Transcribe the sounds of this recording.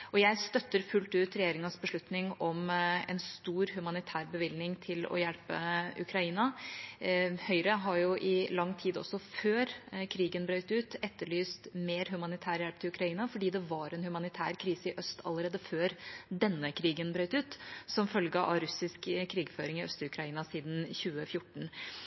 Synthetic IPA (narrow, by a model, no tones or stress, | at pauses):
ʔɔjæɪst̪œt̪ːəɾfʉlt̪ʉːt̪ɾɛjeːɾɪŋɑsbəʂɭʉt̪nɪŋɔmɛ̰nst̪uːɾhʉmɑnɪt̪ʰæːɾbəʋɪlnɪŋt̪ʰɪlɔ̰jæɽpə̰ʉ̰kʰɾɑiːnɑ | hœʏɾəɦɑɾjʊʔɪlɑŋːt̪ʰiːd̪ɔ̰sːɔføːɾkʰɾiːɡənbɾœʏt̪ʉːt̪ɛt̪ːəɭyːst̪meːɾɦʉmɑnɪt̪ʰæːɾjælp̚t̪ʰɪlʉkʰɾɑiːnɑfɔɖiːd̪ɛʋɑɾɛnhʉmɑnɪt̪ʰæ̰ːɾkʰɾiːsəɪʔœst̪ʰɑ̰lːəɾeːd̪əføːɾd̪ɛnːəkʰɾiːɡənbɾœʏt̪ʉːt̪sɔmfœlɡəʔɑɾʉsɪskkʰːɾiːɡføːɾɪŋɪœst̪əʉkʰɾɑiːnɑsiːd̪n̩çʉːəfjʊʈːɳ̩